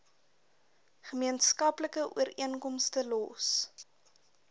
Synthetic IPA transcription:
χəmiənskɐpləkəʔuəɾiənkɔmstəlɔ̰s

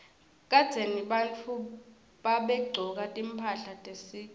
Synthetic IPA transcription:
kʼad̥z̥ʱeniɓant͡fʰu | ɓaɓɛɡ͡ǀʱɔk̬ʼatʼimpʰaɬatʼesiː

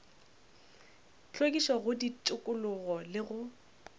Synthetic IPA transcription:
t͡ɬokʼiʃɔɣʊditʼʊkʼʊlʊɣɔlɪɣʊ

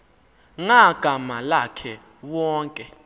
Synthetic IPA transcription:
ŋaɡ̥ʱamalakʰɛ | wɔːŋkʼɛ

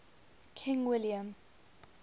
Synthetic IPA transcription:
kʰɪ̃ŋwɪliə̃m

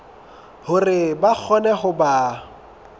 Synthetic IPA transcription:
hʊrɪbak͡xʰɔnɛχʊba

